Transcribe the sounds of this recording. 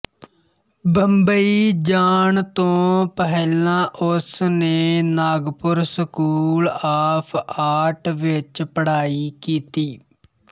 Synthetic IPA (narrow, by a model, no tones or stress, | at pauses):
bəmbəiːd͡ʒaːɳt̪õːpəɦlãːʔʊsneːnaːɡpʊɾsəkuːlaːpʰaːʈʋɪt͡ʃpəɽaːiːkiːt̪iː